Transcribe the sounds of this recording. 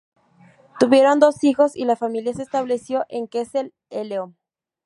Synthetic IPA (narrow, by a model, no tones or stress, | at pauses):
t̪uβje̞ɾo̞nd̪o̞sixo̞sḭlafamiljasest̪aβle̞sjo̞ʔeŋkesel | eleom